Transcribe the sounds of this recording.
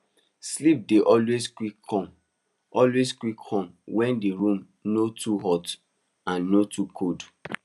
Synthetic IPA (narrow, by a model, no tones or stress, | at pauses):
slip̚deʔɔlweskwikɔm | ʔɔlweskwikʰɔ̃mwɛ̃ndeɹũm | notuɦɔt | ãnːotʰukʰod